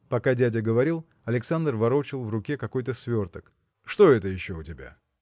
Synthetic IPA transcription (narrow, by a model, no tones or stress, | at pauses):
pɐkadʲædʲəɡəvɐɾʲilˠ | ɐlʲɪksand̪rvɐɾo̞t͡ɕɪlˠvrʊkʲekɐko̞jt̪əsvʲo̞rt̪ək | ʂt̪o̞ɛt̪əjɪɕːo̞ʊtʲɪbʲa̰